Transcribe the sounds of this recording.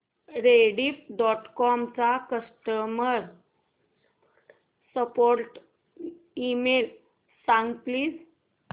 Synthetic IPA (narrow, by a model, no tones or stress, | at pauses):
ɾeɽiːfɖɔʈkɔmt͡sakəsʈəməɾ | səpoɾʈ | imel | sãŋɡpliːs